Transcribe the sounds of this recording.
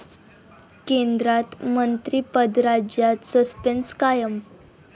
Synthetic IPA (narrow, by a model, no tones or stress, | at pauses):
kẽnd̪ɾat̪mənt̪ɾiːpəd̪ɾad͡ʑjat̪səspenskajəm